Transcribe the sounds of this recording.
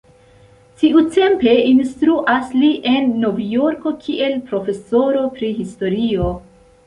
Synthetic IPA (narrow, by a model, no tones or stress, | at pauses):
tiute̞mpe̞instɾuʔasliʔe̞nːo̞vijo̞ɾko̞kʰiʔe̞lpɾo̞fe̞so̞ɾo̞pɾiɦisto̞ɾio̞